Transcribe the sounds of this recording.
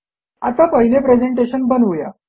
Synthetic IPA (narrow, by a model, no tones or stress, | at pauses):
a̰t̪apəɦilepɾed͡ʑeɳʈeɕənbənʋuja̰